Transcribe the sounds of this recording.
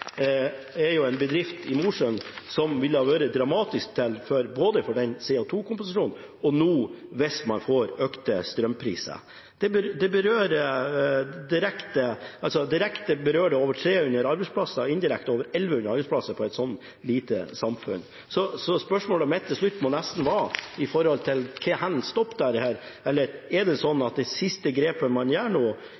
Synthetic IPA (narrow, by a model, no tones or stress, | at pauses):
ɛɾjʊɛnbəd̪ɾɪft̪ʰɪmuːʂœnsɔmʋɪlːəɑʋøːɾəd̪ɾɑmɑːt̪ɪsk̚t̪ʰːɪlfɔɾboːd̪əfɔɖɛnseːɔt̪ʰuːkʊmpʊsɪʂuːn | ɔnuːʋɛsmɑnfoːɾøːkt̪əst̪ɾœmpʰɾḭːsə̰ | d̪̥ɛbəɾd̪ɛbəɾøːɾ | d̪ɪɾɛkt̪əɑlsɔd̪ɪɾɛkt̪əbəɾøːɖɛoːʋəʈʰɾeːʉnəɾɑɾbɛɪspʰlɑsːəɪnd̪ɪɾɛkt̪oːʋəɾɛlʋəʉnːəɾɑɾbɛɪspʰlɑsəpʰɔɛɪt̪sɔnt̪ | liːt̪ə̰sɑmfʉ̰n | sɔsɔspœʂmoːlɔmɛt̪ʰːɪʂɭʉt̪ːmɔnɛst̪n̩ʋɑɪfɔɾhɔlt̪ʰɪlkʰɛhɛnst̪ɔpːd̪æɾhæːɾɛlːəɾɛɖɛsɔnːɑt̪̚d̪ɛsɪst̪əɡɾeːpəmɑnjæːɳuː